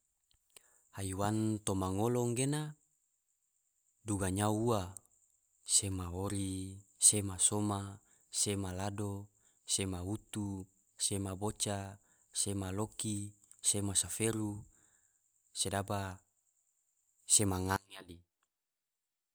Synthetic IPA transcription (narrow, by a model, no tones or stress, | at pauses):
haiwant̪omaŋoloŋɡena | duɡaɲauua | semaoɾisemasoma | semalado | semaut̪u | semabot͡ʃa | semaloki | semasafeɾu | sedaba | semaŋaŋjali